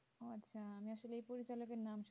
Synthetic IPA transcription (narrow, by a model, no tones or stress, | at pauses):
otːɕʰaamiaʃoleejpoɾit͡ɕalokeɾnamʃ